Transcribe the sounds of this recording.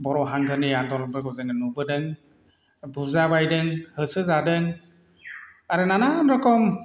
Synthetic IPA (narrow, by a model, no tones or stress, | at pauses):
bɔɾɔɦaŋɡɯnɯjandɔnɔbɯɡɔzɯŋɯnubɯdɯŋ | buzabajdɯŋhɯsɯzadɯŋ | aɾɯnananɾɔkɔm